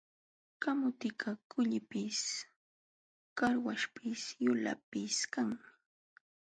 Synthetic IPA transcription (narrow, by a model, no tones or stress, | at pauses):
kamʊt̪ɪkakʊʎɪpɪs | kaɾwaʃpɪsjʊla̰pɪskaŋmɪ